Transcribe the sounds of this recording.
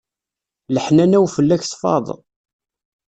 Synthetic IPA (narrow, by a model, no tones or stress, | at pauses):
ləħnænæwfəlːæçθfɑ̰ðˤ